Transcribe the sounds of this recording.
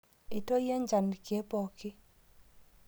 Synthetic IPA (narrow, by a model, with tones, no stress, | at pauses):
ɪ˨to˦je˦ɲd͡ʒa˨nkje˦pɔ˨kɪ˦